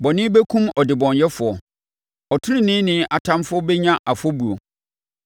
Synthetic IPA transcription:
bɔ˨nɪ̃˦be˦kʰũ˦mɔ˨dɪ˨bɔ̃˨njɛ˦fʊ˨ɔ˨ | ɔ˨tʰʊ˦ɾɪ̃˦˨nɪ̃˦nɪ̃˦ʔa˨tʰã˦mfʊ˦ɔ˦bɛ˦ɲã˦ʔa˨fɔ˦bu˨ɾo˨

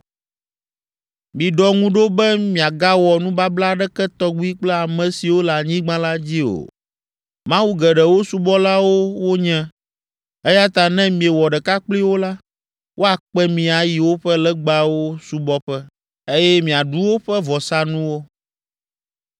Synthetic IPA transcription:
mĩ˨ɖɔ˨ŋũ˦ɖo˦bɛ˦mĩ˨a˨ɡa˦wɔ˨nũ˦ba˦bla˦ɖɛ˦kɛ˦t̪ɔ˦ɡ͡bu˦i˦k͡plɛ˦a˨mɛ̃˨si˨wo˦la˨ɲĩ˦ɡ͡bã˦la˦d͡ʑi˦o̰˨ | mã˦wu˦ɡɛ˨ɖɛ˨wo˦su˦bɔ˦la˦wo˦wo˦ɲɛ̃˦ | ɛ˦ja˦t̪a˨nɛ̃˦mĩ˨e˨wɔ˨ɖɛ˨ka˦k͡pli˦wo˦la˦ | wʔo˦a˨k͡pɛ˦mĩ˨a˨ji˨wo˦ɸɛ˦lɛ˦ɡ͡ba˨wo˦su˦bɔ˦ɸɛ˦ | e˦jɛ˦mĩ˨a˨ɖu˦wo˦ɸɛ˦vɔ˨sa˦nũ˦wo˦

